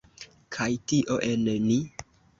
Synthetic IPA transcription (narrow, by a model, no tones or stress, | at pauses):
kʰajtiʔoʔenni